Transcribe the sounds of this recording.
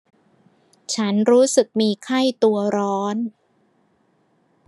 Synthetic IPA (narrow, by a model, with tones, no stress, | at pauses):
t͡ɕʰa˦˥nɾuː˦˥sɯ˨˩k̚miː˧kʰa˥˩jt̪u˧ɐɾɔː˦˥n